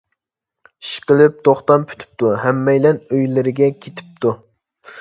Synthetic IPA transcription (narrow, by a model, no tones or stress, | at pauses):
iʃqəlˠɪp̚t̪oχt̪ɑmpʰy̥t̪ʰy̥p̚t̪uhɛmːɛjlɛnøjlɪɾɪɡʲɛkʲʰet̪ʰɪ̥p̚t̪ʰu